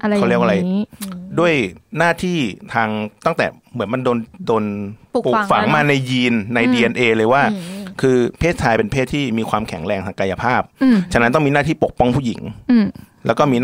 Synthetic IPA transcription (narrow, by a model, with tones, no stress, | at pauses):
ka˧˨li˥˩ək̚ʔa˧a˧jdu˥˩əjnaː˥˩t̪ʰiː˥˩t̪ʰaː˧ŋt̪a˥˩ŋt̪ɛ̰˨˩ | mɯ˩˦ənma˧ndoː˧ndoː˧n˨˩pu˨˩kfa˨˩˦ŋmaː˥˩na˧jjiː˧nːa˧jdiː˧ʔe˧nʔeː˧lɤː˧jwaː˥˩kʰɯː˧pʰeː˥˩t̪̚t͡ɕʰaː˧jpe˧npʰeː˥˩t̪ʰːiː˥˩miː˧kʰwaː˧mkʰɛ˩˦ŋɾɛː˧ŋsa˨˩kaː˧ja˧pʰaː˥˩p̚t͡ɕʰa˧na˦˥nt̪ɔ˥˩ŋmiː˧naː˥˩iː˥˩po˨˩k̚pɔ˥˩ŋpʰuː˥˩ji˩˦ŋ | lɛː˦˥wkɔː˥˩miː˧